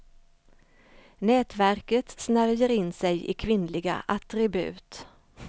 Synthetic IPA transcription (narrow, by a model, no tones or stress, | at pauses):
nɛːt̪væɾkət̪snæɾjəɾɪnːsɛjɪ̰kʰvɪnlɪɡa̰ʔat̪ɾɪbʉ̟̰ːt̪